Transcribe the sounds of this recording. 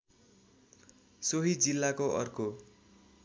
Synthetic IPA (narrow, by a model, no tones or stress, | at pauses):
soɦid͡zilːakoʔʌ̰rko